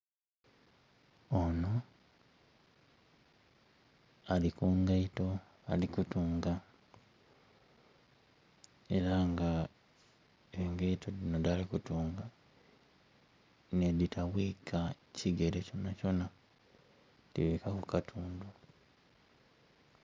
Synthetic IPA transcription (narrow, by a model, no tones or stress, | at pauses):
ono̞ | alikuːŋɡaito̞ | alikutuːŋɡa | e̞ɾaŋɡa | eŋɡaitʰo̞ðino̞dalikutuːŋɡa | neditʰaβwiːkʰa | cʰiɡe̞ɾeco̞naco̞na | diwikakukatʰuːndu